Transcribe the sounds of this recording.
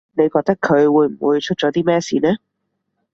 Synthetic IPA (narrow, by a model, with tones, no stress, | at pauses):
ne˨˧jkɔː˧t̪ɐ˥kʰːɵ˨˧ɥwuː˨˧jm̩˨˩wṵː˨˧jt͡ʃʰɵ˥t̚t͡ʃɔ˨˥t̪iː˥mɛː˥siː˨˧nɛː˥